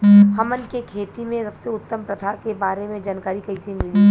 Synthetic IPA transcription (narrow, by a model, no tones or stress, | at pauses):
hɐmənkekʰeːt̪imẽsɐbseʊt̪ːəmpɾɐt̪ʰakebaːɾemẽd͡ʒaːnkaːɾikɐisemɪli